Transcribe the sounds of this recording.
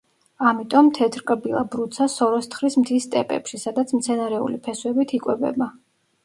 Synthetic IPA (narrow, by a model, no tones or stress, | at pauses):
amit̪ʼɔmt̪ʰɛt̪ʰɾkʼɾbilˠabɾut̪sʰasɔɾɔst̪ʰχɾismt̪ʰist̪ʼɛpʼɛ̰pʃisad̪at̪sʰmt̪sʰɛnaɾɛṵlipʰɛswɛbit̪ʰikʼwɛbɛ̰ba